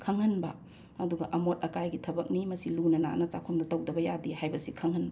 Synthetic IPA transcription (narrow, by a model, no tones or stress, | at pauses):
kʰɐŋhɐnbɐ | ɐduɡɐʔɐmot̚ɐkajɡitʰɐbɐk̚nimɐsilunɐna̰nɐt͡ʃa̰kʰomdɐtɐwdɐbɐjadihajbɐsikʰɐŋhɐnbɐ